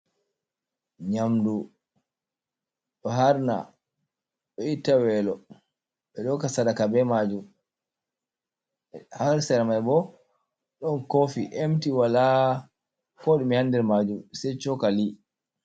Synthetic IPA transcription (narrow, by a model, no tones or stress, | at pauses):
ɲamdu | ɗɔɦaɾna̰ | ɓɔitawɛlɔ | ɓɛɗɔkasadakabɛmad͡ʒum | haɾsɛɾmajbɔ | ɗɔnkofiʔemtiwala | kɔɗumihandɛɾmad͡ʒumsɛt͡ʃɔkali